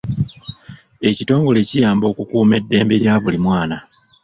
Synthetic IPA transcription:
e̞cito̞ːŋɡo̞le̞ːcijaːmbo̞ːkukuːme̞dːe̞ːmbe̞ljaβulimwaːna

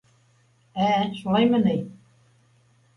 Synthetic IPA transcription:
æʃulˠɑjmɤnɘj

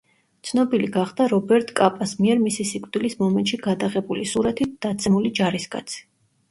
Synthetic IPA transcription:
t̪sʰnɔbiliɡaχd̪aɾɔbɛɾt̪ʼkʼapʼasmiɛɾmisisikʼd̪ilismɔmɛnt̪ʃiɡad̪aʁɛbulisuɾat̪ʰit̪̚d̥̪at̪sʰɛmulid͡ʒaɾiskʼa̰t̪sʰi̥

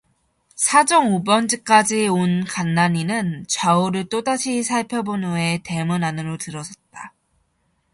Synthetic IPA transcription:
sʰad͡ʑʌŋubʌnd͡ʑɯk͈ad͡ʑionkanːaɲinɯnt͡ɕwauɾɯɭt͈odaɕʰisʰaɭpʰjʌbonue̞te̞mɯnanɯɾotɯɾʌsʰʌt̚t͈a

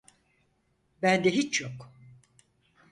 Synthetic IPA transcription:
bænd̪ɛɦit͡ʃʰjok

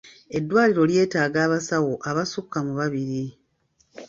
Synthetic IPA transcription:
e̞dːwaːliɾo̞lje̞ːtaːɡaːβasawo̞ʔaβasukːamuβaβiɾi

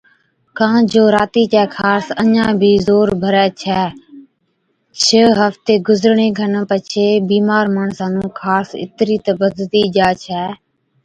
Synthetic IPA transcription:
kãːd͡ʒoːɾaːt̪iːt͡ʃɛːkʰaːɾsəɲãːbʱiːzoːɾbʱəɾɛːt͡ʃʰɛː | t͡ʃʰəɦəft̪eːɡʊzəɾɳeːkʰənpət͡ʃʰeːbiːmaːɾmaːɳsãːnũːkʰaːsɪ̰t̪ɾiːt̪əbəd̪lt̪iːʄaːt͡ʃʰɛː

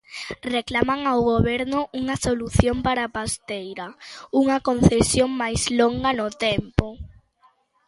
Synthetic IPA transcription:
reklamaŋawɣoβɛɾnʊʔuŋɐsoluθjompaɾapast̪ejɾauŋɐkon̟θesjoŋmajsloŋɡɐnʊt̪ɛmpʊ

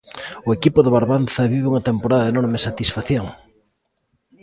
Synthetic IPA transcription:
ʊekipʊðɪβaɾβanθɐβiβeuŋɐt̪empoɾaðɐðenɔɾmɪsat̪isfaθjoŋ

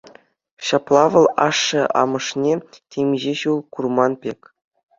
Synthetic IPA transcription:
ɕɑplˠɑʋɤ̆lˠɑ̰ʂːɤ̆ʔɑ̰mɤ̆ʂnʲetʲemʲʑeɕulˠkurmɑnpʲekʲ

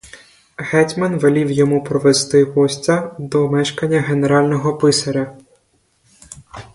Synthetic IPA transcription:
ɦɛtʲmɐnʋelʲiwjɔmupɾɔʋest̪ɪɦɔsʲtʲɐd̪ɔmɛʃkɐnʲːɐɦe̞neɾɑlʲnɔɦɔpɪsɐɾʲɐ

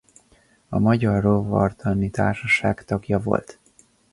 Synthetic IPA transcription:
ɒmɒɟɒrːovɒ̰rt̪ʰɒnit̪a̰ːrʃɒʃaːkt̪ɒɡjɒvo̞̰lt̪

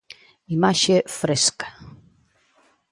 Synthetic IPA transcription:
imaɕɛfɾɛskḁ

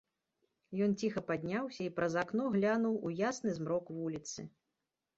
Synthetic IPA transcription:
jɔnt͡sʲixɐpad̪ʲnʲawsʲɐipɾɐzaknɔɣlʲanuwujasnɨzmɾɔkvulʲit̪sɨ̰

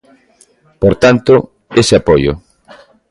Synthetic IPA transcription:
poɾt̪ant̪ʊ | eseapojʊ̰

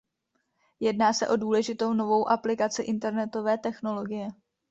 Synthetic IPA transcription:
jɛdnaːsɛʔo̞duːlɛʒɪt̪o̞wno̞vo̞wʔaplɪkat͡sɪʔɪnt̪ɛɾnɛt̪o̞vɛːt̪ɛxno̞lo̞ɡɪjɛ

